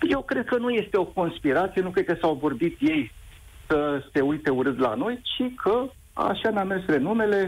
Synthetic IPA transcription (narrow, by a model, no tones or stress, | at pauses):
je̞wkɾe̞d̪̚kənuje̞st̪e̞o̞ko̞nspiɾat̪sijenukɾe̞d̪̚kəsawvo̞rbit̪je̞jsəse̞ujt̪e̞uɾɨnd̪la̰no̞jt͡ʃikʰə | a̰ʃanʲamesɾe̞nume̞le̞